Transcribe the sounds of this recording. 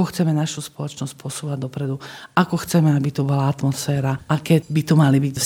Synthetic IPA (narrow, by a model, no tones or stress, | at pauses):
ɔxt͡sɛmɛnaʃuspɔlɔt͡ʃnɔsc̚pʊɔsuːʋaɟd̪ɔpɾɛd̪uakɔxt͡sɛmɛabit̪ubɔlaat̪mɔsfɛːɾaʔakɛːbit̪ɔmalibics